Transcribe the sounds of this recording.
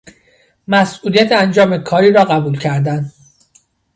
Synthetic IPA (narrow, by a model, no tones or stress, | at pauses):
mæsʔuːlijæt̪ʰeænd͡ʒɒːme̞kʰɒːɾiːɾɒːɣæbuːlcʰæɾd̪æn